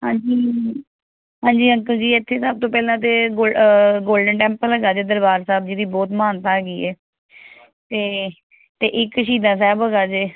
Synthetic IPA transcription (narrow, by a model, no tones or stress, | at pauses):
ɦãːɲd͡ʒiː | ɦãːɲd͡ʒiːəŋkəld͡ʒiːɪt̪ʰːeːsəb̚t̪õːpɛːlãːt̪̬eːɡoːɡoːlɖəɳʈɛ̃ːmpələɡaːd͡ʒeːd̪əɾbaːɾsaːb̚d͡ʒiːd̪iːbɔːt̪maːnt̪aːɡiːɛː | t̪eː | t̪eːʔɪkːʃiːd̪ãːsɛːbəːɡaːd͡ʒeː